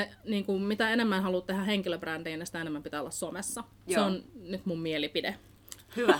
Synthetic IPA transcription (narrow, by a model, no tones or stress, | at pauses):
eniːŋkummit̪æenemːænhɑluːt̪t̪ehæheŋkiløbrændiːnisi̥t̪æenemːæmpit̪æːˑo̰lːɑssomesːɑ | seonnyt̪mummielipide